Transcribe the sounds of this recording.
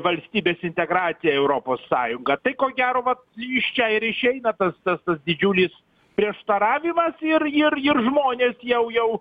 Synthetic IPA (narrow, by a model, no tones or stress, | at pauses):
ʋɐlʲsʲt̪ʲiːbʲeːsɪnʲt̪ʲɛɡɾɑːt̪sʲɪjɛɛʊɾoːpoːsːɑːjʊŋɡɐt̪ɐɪkoːɡʲæːɾoːʋɐt̪ɪʃʲt͡ʃʲɛɪɾɪʃʲɛɪnɐt̪ɐst̪ɐst̪ɐsd̪ʲɪd͡ʒʲuːlʲɪs | pʲɾʲiɛʃt̪ɐɾɑːʋʲɪmɐsɪrɪɾɪrʒmoːnʲeːsjɛʊjɛʊ